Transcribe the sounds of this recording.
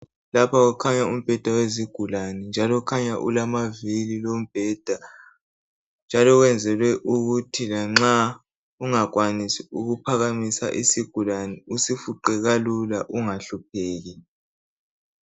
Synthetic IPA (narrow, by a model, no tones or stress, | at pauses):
lapʰaɣukʰaɲaum̩b̥ʱɛd̥ʱaweziɡ̥ʱulanɛnd͡ʒʱalɔkʰaɲaʔṵlamavililom̩b̥ʱɛd̥ʱa | nd͡ʒʱalɔɣwɛnd͡zʱɛlwɛʔuɣutʰilaŋ͡ǁa | uŋak̬wanisiuɣupʰaɣamisa̰ʔisiɡ̥ʱulanɛusifuǃɛɣalulaʔuŋaɬup̚ʰeːɣi